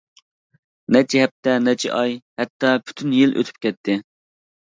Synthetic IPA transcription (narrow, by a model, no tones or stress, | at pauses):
nɛt͡ʃʰiɦɛp̚t̪ɛnɛt͡ʃʰḭʔɑjhɛt̪ːɑpʰy̥t̪ʰynjilʔø̰t̪ʰy̥p̚kʲɛt̪ʰːɪ